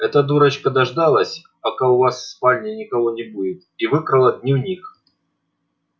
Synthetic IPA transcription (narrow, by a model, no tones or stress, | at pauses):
ɛt̪əd̪uɾɐt͡ɕkəd̪ɐʐd̪alˠəsʲ | pɐkaʊvasspalʲnʲɪnʲɪkɐvonʲɪbudʲɪt̪ivɨkɾɐlˠɐd̪ʲnʲivnʲix